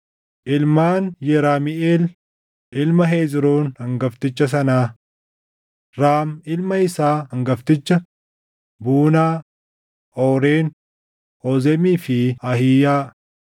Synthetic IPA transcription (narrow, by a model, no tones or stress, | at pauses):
ʔɪlmaːnjɛɾaːmɪʔeːl | ʔɪlmɐɦeːd͡ʒɾoːnhɐŋɡɐft̪ɪt͡ʃːɐs̬ɐnaː | ɾaːmɪlmɐɪsaːhɐŋɡɐft̪ɪt͡ʃːɐ | buːnaː | ɔːɾeːn | ɔzɛmiːfɪɐhijaː